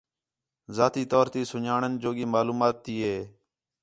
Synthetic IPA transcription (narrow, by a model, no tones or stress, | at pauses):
zaːt̪iːt̪oːɾt̪iːsʊɲaːɳənd͡ʒoːɡiːmaːluːmaːt̪ːiːɦeː